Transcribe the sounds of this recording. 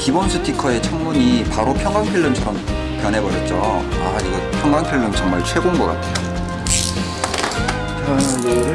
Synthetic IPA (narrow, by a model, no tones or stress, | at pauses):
kibʌnsʰɯtʰikʰʌe̞t͡ɕʰʌŋmuɲipaɾopʰjʌŋɡaŋpʰiɭːɯmt͡ɕʰʌɾʌm | pjʌnɦe̞bʌɾjʌt̚t͡ɕ͈o | aiɡʌpʰjʌŋɡaŋpʰjiɭːɯmt͡ɕʌŋmaɭt͡ɕʰwe̞ɡonɡʌk͈a̰tʰe̥